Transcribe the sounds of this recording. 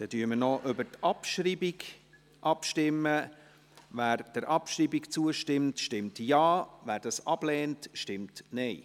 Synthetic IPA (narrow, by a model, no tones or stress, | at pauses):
d̥ɛdyəmənɔʔʏbəɾtʔɑpʃɾiːbiɡ | ʔɑpʃtɪmːə | væːɾd̥əɾʔɑpʃɾiːbikt͡suəʃtɪmtʃtɪmtjɑːvæːɾd̥ɑsɑb̥lɛːntʃtɪmtnɛɪ